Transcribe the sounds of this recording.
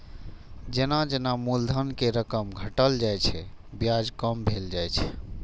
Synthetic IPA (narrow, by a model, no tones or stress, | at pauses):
d͡ʒenad͡ʒenamuld̪ʱənkeɾəkəmɡʱəʈəld͡ʒajt͡ʃʰɛ | bjad͡ʒkəmbʱeld͡ʒajt͡ʃʰɛ̥